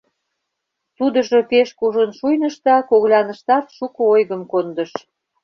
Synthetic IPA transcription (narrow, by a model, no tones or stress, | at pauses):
t̪ud̪əʒo̽peʃkuʒənʃujnəʃt̪ɑkoɣlʲɑnə̆ʃt̪ɑt̪ʃukəojɣəmkond̪əʃ